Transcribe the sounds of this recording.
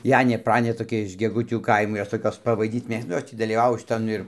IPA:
ˈjæːnʲeː ˈprɑːnʲeː toːˈkʲɛ ɪʃ ɡʲɛˈɡʊtʲuː ˈkɐɪmoː ˈjoːs ˈtoːkʲoːs pɐˈʋɐɪdʲiːt ˈmʲeːkstɐ ˈnʊ ˈjoːs tʲiː dɐlʲiːˈʋɑːʋoː ʃʲɪˈtɐn ɪr

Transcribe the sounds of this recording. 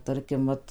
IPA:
ˈtɐrʲkʲɪm ˈʋɐt

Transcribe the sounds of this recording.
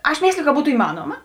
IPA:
ɐʃ ˈmʲeːsʲlʲɪjʊ kɐ ˈbuːtʊ ɪˈmɑːnoːmɐ

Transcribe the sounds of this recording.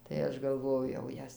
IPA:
tɐɪ ˈɐʃ ɡɐlˠˈʋoːjɛʊ jɛʊ ˈjɛs

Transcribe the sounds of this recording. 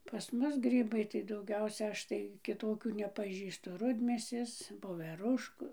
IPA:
pɐs ˈmʊs ˈɡrʲiːbɐɪ tɐɪ dɐʊˈɡʲɛʊsʲɛ ˈɐʃ tɐɪ kʲɪˈtoːkʲuː nʲɛpɐˈʒʲiːstʊ ˈrʊdʲmʲeːsʲeːs ʋoːʋʲɛˈrʊʃkʊ

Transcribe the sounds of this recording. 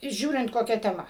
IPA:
ˈʒʲuːrʲɪnt koːˈkʲɛ tʲɛˈmɐ

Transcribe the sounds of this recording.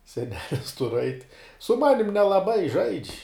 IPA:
sʲɛˈnʲæːlʲɪs tʊr ɐɪtʲ sʊ ˈmɑːnʲɪm nʲɛlˠɐˈbɐɪ ʒɐɪt͡ʃʲ

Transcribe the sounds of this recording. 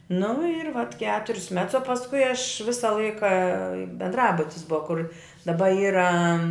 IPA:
nʊ ɪr ʋɐt ˈkʲæːtʊrʲsʲ mʲɛts oː pɐsˈkʊɪ ɐʃ ˈʋʲɪsɐ ˈlˠɐɪkɐ bʲɛndˈrɑːbʊtʲɪs ˈbʊɐ kʊr dɐˈbɐ ˈiːrɐ

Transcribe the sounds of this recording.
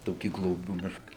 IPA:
ˈtoːkʲiː ɡlˠoːˈbʲuː ˈmʲɪʃkɐ

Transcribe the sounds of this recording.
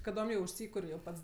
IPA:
kɐˈdoːm jɛʊ ʊʃʲˈsʲiːkʊrʲ jɛʊ ˈpɐts

